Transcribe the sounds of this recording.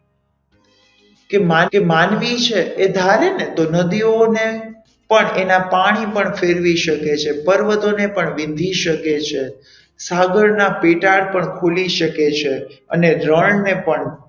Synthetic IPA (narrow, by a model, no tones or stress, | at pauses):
kemakemanʋit͡ʃʰeːd̪ʱalenet̪onəd̪ione | pəɳenapaɽ̃ipəɳfeɾʋiʃəket͡ʃʰepəɾʋət̪onepəɳʋĩnd̪ʱiʃəket͡ʃʰe | saɡəɭnapeʈaɭpəɳkʰuliʃəket͡ʃʰeə̰neɾəɭnepəɳ